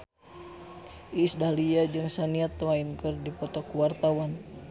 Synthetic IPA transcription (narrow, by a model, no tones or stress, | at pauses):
ʔisdahliad͡ʒɨŋsaniat̪ːuainkɨrdipɔt̪ɔkuwart̪awan